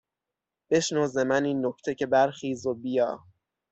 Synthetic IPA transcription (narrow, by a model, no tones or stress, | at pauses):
b̥e̞ʃnɔːzemæniːnːoct̪ʰe̞cʰe̞bæɾxiːzobijɒː